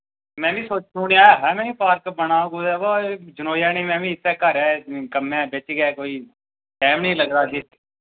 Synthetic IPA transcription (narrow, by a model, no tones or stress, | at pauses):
mɛ̃ːbiːsoːt͡ʃnũːnijãːɦɛːmɛ̃ːiːpaːɾkbəɳãːɡod̪ɛːboːd͡ʒənoːjaːnĩːmɛ̃ːbiːɪt̪ːɛːkəɾɛːkəmɛ̃ːbet͡ʃːɡɛːkoːiː | sɛːmnəĩːləɡɾaːki